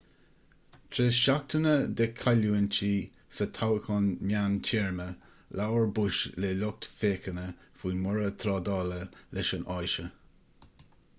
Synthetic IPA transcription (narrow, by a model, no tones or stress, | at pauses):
t̪ʰɾeʃak̚t̪ənəd̪əkʰaluənt͡ʃʰiː | sət̪ʰawəkʰɔnmjantʰɛɹmə | lawəɹbuʃleːlʊk̚t̪feːkənəfuːmʊɹət̪ʰɾɑːd̪ɑːləlʔɪʃənʔɔjʃə